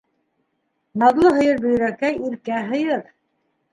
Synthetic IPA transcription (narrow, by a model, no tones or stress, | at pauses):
nɑðlˠɤɦɤ̆jɤɾbɵ̆j̆ɾækæjiɾkæɦɤ̆jɤɾ